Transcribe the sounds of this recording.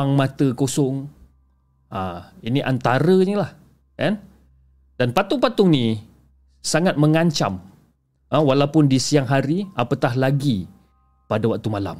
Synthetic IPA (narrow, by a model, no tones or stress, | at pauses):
aŋmãt̪əkosɔŋ | ʔãiniʔant̪aɾəinilah | ɛn | danpat̪ʊŋpat̪ʊŋnĩ | saŋat̪̚məŋaɲt͡ʃa̰m | ʔə̃walawpʊndisiaŋɦaɾiapət̪ahlaɡi | padawak̚t̪umala̰m